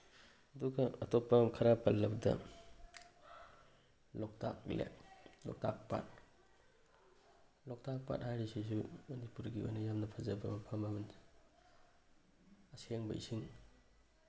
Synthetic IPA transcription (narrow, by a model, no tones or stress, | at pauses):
ɐduɡɐɐtɔpːɐkʰɐɾapɐlːɐk̚dɐ̰ | lɔk̚tʰa̰k̚lḛlɔ̰k̚tʰak̚pa̰t̚ | lɔk̚tʰak̚pa̰thajɾisis̬umɐnipuɾɡia̰nɐjamnɐpʰɐzɐbɐmɐpʰɐmɐbɐn | ɐseŋbɐ̰ḭsiŋ